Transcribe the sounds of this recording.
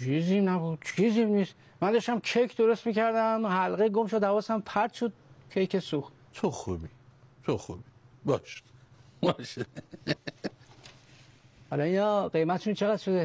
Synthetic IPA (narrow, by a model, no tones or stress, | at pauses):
t͡ʃʰizimnæbud̪̥̚t͡ʃʰizimnis | mænd̪ɒʃt̪æmkʰejkʰd̪oɾost̪miːcʰæɾd̪æmhælɣejɡomʃod̪ævɒːsæmpʰæɾd̪ʃod̪̥̚kʰejkesuxt̪ | t͡ʃʰoxṵbit͡ʃʰoxṵbibɒʃbɒʃe | hɒlɒinɒːɢe̞jmæt̪ʰeʃunt͡ʃʰeɣæd̪̥ʃod̪e